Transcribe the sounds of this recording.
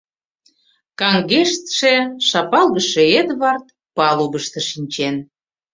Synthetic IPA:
kɑŋɡeʃt̪ʃeʃɑpɑlɣəʃeed̪βɑrt̪ | pɑlubəʃt̪ə̆ʃinʲt͡ɕen

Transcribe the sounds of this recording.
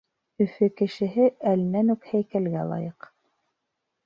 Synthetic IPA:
ɵ̆fɵkɘ̆ʃɘ̆ɦɘʔælnænʉkhæjkælɡælˠɑ̰jɤq

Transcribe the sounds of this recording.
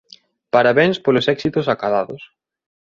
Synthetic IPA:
paɾaβeŋspolʊsɛksit̪ʊsakaðaðʊs

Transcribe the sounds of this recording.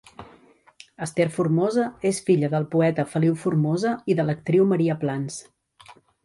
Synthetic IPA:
əst̪eɾfurmozəesfiʎəðəlˠpuɛt̪əfəliwfurmozəiðələk̚t̪ɾiwməɾiəplans

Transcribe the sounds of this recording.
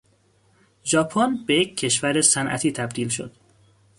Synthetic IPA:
d͡ʒɒːpʰonbe̞jeccʰːe̞ʃvæɾe̞sænʔæ̰t̪ʰiːt̪ʰæb̚d̪iːlʃo̞̰d̪̥

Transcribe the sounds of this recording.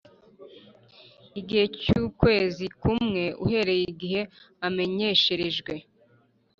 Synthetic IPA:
iɡihe̞cuːkwe̞ːzikumŋe̞ʔṵhe̞ɾe̞jiɡiɦe̞ | ame̞ɲe̞ʃe̞ɾe̞ʒɡwe̞

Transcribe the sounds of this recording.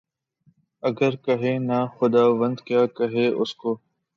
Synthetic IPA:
ɐɡəɾkəɦeːnaxʊd̪aːʋə̃nd̪kjaːkɐɦeːʔʊskoː

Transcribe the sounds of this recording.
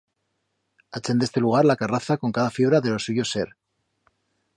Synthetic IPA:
at͡ʃend̪e̞st̪e̞luɣ̞aɾlakaraθako̞ŋkaðafiβ̞ɾaðe̞lo̞suʝo̞se̞ɾ

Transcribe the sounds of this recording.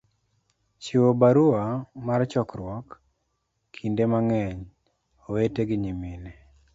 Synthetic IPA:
t͡ʃiwobaɾuamart͡ʃɔkɾwɔkːʰ | indemaŋɛɲ | oweteɡɪɲimine

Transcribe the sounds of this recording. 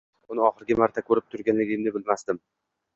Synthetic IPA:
ʊnɪɒχɨɾɡʲɪmaɾt̪ʰakʰɵɾɪp̚t̪ʰʊɾɡʲanlɪɡʲɪmnɪbɪlmasd̪ɪm

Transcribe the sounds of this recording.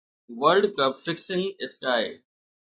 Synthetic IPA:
ʋəɾɖkəbfɪksɪ̃ŋɪskaːɪ

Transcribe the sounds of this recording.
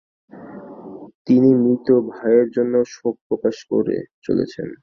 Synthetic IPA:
t̪inimɾit̪obʱaeɾd͡ʑonːoʃok̚pɾokaʃko̰ɾḛt͡ɕo̰lḛt͡ɕʰḛn

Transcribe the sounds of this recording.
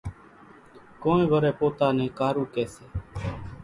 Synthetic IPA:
kõːnẽːʋəɾeːpoːt̪aːneːkaːɾuːkeːseː

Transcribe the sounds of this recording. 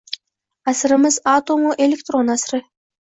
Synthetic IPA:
ɑsɾə̆məzɑt̪omoʔelʲek̚t̪ronɑsrɨ

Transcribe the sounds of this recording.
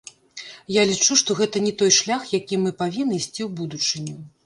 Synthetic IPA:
jalʲit͡ʂuʂt̪ɔɣɛt̪ɐnʲɛt̪ɔjʂlʲaxjakʲimɨpavʲinːɨisʲt͡sʲiwbud̪ut͡ʂɨnʲu

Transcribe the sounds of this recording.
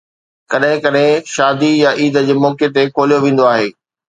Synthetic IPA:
kɐɗɦɪ̃kɐɗɦɪ̃ʃaːd̪ijaʔiːd̪ə̆d͡ʑeːmɔːket̪̬ekʰoːlijoʋẽːn̆d̪oaːɦeː

